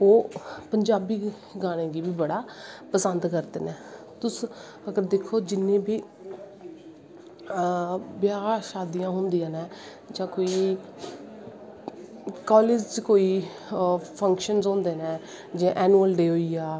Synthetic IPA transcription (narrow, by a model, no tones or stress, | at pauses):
oːpəɲd͡ʒaːbiː | ɡaːɽ̃ẽːɡiːbiːbəɽaːpəsənd̪kəɾd̪ḛːnɛː | t̪ʊs | əɡəɾd̪eːkʰːoːd͡ʒɪnːẽːbiː | bjaːʃaːd̪ijãːɦʊnd̪ijãːnɛː | d͡ʒãːkoːiː | kaːleːd͡ʒt͡ʃkoːiː | pʰəŋkʃənzõːnd̪eːnɛ̃ː | d͡ʒẽːʔɛːnuːəlɖeːɦoːiːaː